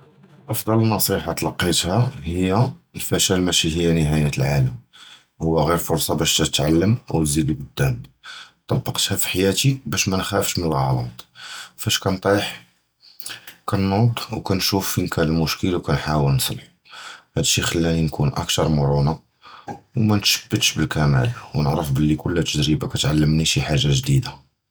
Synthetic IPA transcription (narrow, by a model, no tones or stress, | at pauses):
ʔɑfd̪ˤɑlnɑsˤiħat̪lɑqːit̪hæhəjːælfæʃælmæʃihəjːænəɦæjæt̪əlʕaləm | hʊwːæɣiɾfʊɾsˤɑbæʃt̪æt̪ʕalːəmʔəwzid̪bəd̪ːænt̪ˤːɑbːɑqt̪hæfi̥ħajæt̪ibæʃmænxæfʃmənəlɣɑlɑ̰t̪ˤfæʃkænt̪ˤiħ | kænod̪ˤwkænʃufːinkʰænəlmʊʃkəlwkænħawəlnsˤə̰lħuhæd̪əʃːixəlːæninkunʔə̰kt̪ɑɾˤmʊɾˤuna | wmænt̪ʃə̥bːət̪ʃbəlkæmæ̰lwnəʕɾəfbəlːikʊlːæt̪əd̪ɾibakæt̪ʕalːəmniʃiħaʒːaʒd̪id̪a